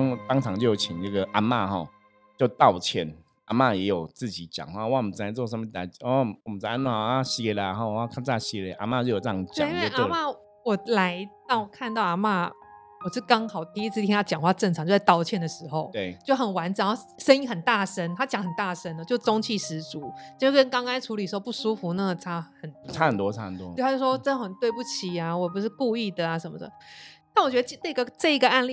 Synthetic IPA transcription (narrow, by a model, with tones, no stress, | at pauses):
ŋt̪ɑ˥˦ŋt͡sʰɑ˧˥ŋt͡ɕjo˥˩ʊt͡ɕʰi˨˩ŋna˥˩ɡə˨˩ʔa˧˥ma˥˧ɦɔ̰˨ | t͡ɕjo˥˧ʊt̪ɑ˥˨ʊt͡ɕʰjɛ˥˨˩n | a˧˥ma˥˧jɛ˧˦˥jo˨˩ʊt͡sɹ̩˥˨˩t͡ɕi˨˦t͡ɕjɑ̰˨˩ŋxwa˥˨˦wa˥˩ɔ˨m˨˩t͡sa˧˥ɪt͡sw̬ə˧˦mə˧˨˩a˨˧˩ɔ˨˩mə˨˩t͡sa˧˩a˥n˥˩˨a˥ɕi˧˥e˧˥lə˧˩˨ɦɔ˧˩˨a˥˧˩kʰa˥˧n˥a˧˥ɕi˧˥e˧ʔa˧˥ma˥˧t͡ɕjo˥˩jo˨˩ʈ͡ʂə˥˩ɑ˧ŋ˧t͡ɕjŋ˥˦we˥˧ɪʔa˥˧ma˥˩ | wɔ˨˩la˧˦ɪt̪ɑ˥˩ʊ˩kʰa˥˧nt̪ɑ˥˩ʊa˧˥˩ma˥˩ | wɔ˨˩ʂɻ̩˥˩kɑ˥ŋxɑ˨˩ʊt̪ʰi˥i˥˩t͡s̩̪ʰ˥jɛ˥nja˥˩t͡ɕjɑ˨˩ŋxwa˥˧ʈ͡ʂə˥˩ŋʈ͡ʂʰɑ˨˦ŋt͡ɕjo˥˧˥a˥˧t̪ɑ˥ʊt͡ɕʰjɛ˥˩nd̪ə˩ʂɻ̩˧˥xo˥˧ʊt̪e˥˩ɪt͡ɕjo˥˩ʊxə˨˩nwa˧˥nʈ͡ʂ̩˨˩˥ʂə˥ni˥ŋxə˨˩nt̪a˥˨˩ʂə˥nt̪ʰa˥t͡ɕjɑ˧˥ŋxə˨˩nt̪a˥˩ʂə˥nd̪ə˨t͡ɕjo˥˩ʊ˥t͡so˥ŋt͡ɕʰi˥˩ʂɻ̩˧˥t͡su˨˦i˨˥we˥˩kə˥nkɑ˥ŋkɑ˥ŋ˥ʈ͡ʂʰu˧˥li˨˩ʂ̩˧˥o˧pu˥˩ʂu˥fu˧˦na˥˩ɡə˨˩t͡sʰa˥xə˨˩nt͡sʰa˥ə˨nt̪wɔ˦˧a̰˥hə̰˨nt̪wɔ̰˦o˥˧a˥t͡ɕjʂwɔ˥˩˨ʈ͡ʂə˥nd̪ə˧˩xə˨˩nt̪we˥˧ɪpu˥˩t͡ɕʰi˨˩a˨˩wɔ˨˩p̬u˧˦ʂɻ̩˥˧ku˥˧i˥˩d̪ə˨˩a˩ʂə˨˩nmə̰˦d̪ə̰˩na˥˩nwɔ˨˩t͡ɕɥɛ˧˥d̪ə˧t͡ɕnə˥˩˧ɡə˧ʈ͡ʂɤ˥˩i˧˥ɡə˧a˥˧nli˥˩